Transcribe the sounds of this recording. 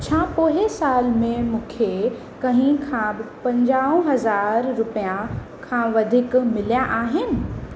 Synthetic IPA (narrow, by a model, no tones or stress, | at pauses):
t͡ɕʰaːpoːɦesaːlmẽmũːkʰe | kɐɦɪ̃kʰãbɪpɐ̃ɲd͡ʑaːõɦɐzaːɾːʊpijã | kʰãʋɐd̪ʱɪkmɪlijãʔaːɦɪnɪ̆